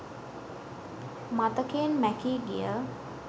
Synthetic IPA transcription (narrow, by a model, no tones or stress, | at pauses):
mat̪əkejənmækiːɡḭjə